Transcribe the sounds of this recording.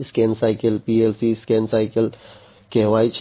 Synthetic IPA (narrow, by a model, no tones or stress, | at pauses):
skeːnsaːɪkəlpiːeːlsiskeːnsaːɪkəl | keːʋaːit͡ʃʰ